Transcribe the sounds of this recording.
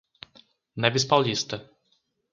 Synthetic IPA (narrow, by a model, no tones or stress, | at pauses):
nɛvʲispawlʲist̪ɘ